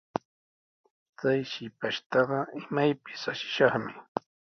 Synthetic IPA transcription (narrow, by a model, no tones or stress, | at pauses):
t͡sajʃɪpaʃt̪ɑɢɑɪmajpɪ̥saʃɪ̥ʃɑχmɪ